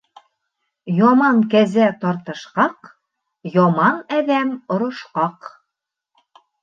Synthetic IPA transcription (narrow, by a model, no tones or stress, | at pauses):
jɒmɑŋkæzæt̪ɒɾt̪ɤ̆ʃqɑq | jɒmɑnæðæmŏɾŏʃqɑq